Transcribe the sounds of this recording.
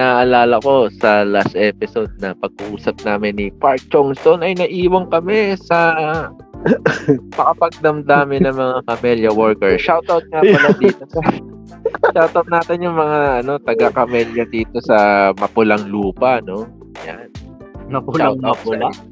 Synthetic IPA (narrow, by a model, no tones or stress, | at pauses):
ɪnaːʔɐlaːlɐko̞sɐlast̪ʔɛːpɪso̞d̪̚nɐpɐɡ̚ʔuːsɐp̚naːmɪnːipaɹk̚t͡ʃoŋst̪o̞nɐjnɐʔiːwɐŋkɐmɛsɐ | mɐkɐpɐɡ̚d̪ɐmd̪aːmɪnɐŋmɐŋakɐmɛljɐwoɹkɛɹʃawt̪awt̪̚ŋapɐlad̪ːt̪o̞sɐ | ʃawt̪ɐwt̪̚naːt̪ɪnjʊŋmɐŋaʔɐno̞t̪ɐɡakɐmɛljɐd̪iːt̪o̞sɐmɐpʊlɐŋluːpɐno̞ | ja̰n | mɐʃawt̪aʊla